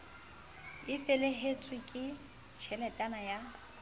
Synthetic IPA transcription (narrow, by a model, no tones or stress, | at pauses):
ɪfɛleɦet͡sʰʼwɪkʼɪ | t͡ʃʰɛlɛtʼanaja